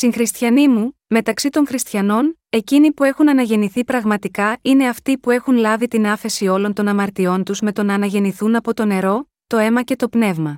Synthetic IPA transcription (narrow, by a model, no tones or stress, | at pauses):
siŋxɾist̪çɐnimu | me̞t̪ɐksit̪o̞ŋxɾist̪çɐno̞ne̞cinipue̞xunɐnɐʝe̞niθipɾɐɣmɐt̪ikɐine̞ɐft̪ipue̞xunlɐvit̪inɐfe̞sio̞lo̞nt̪o̞nɐmɐɾt̪io̞nt̪uzme̞t̪o̞nɐːnɐʝe̞niθunɐpo̞t̪o̞ne̞ɾo̞ | t̪o̞e̞mɐce̞t̪o̞pne̞vmɐ